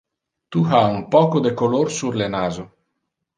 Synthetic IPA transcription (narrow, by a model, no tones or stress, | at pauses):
t̪uhaumpɔːkod̪ekolorsurlenaːzo